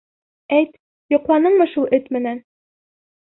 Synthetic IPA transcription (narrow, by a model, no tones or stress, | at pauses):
æjt̪ | jŏqlˠɑnɤɴmɤʃulˠʔɘt̪mɘ̆næn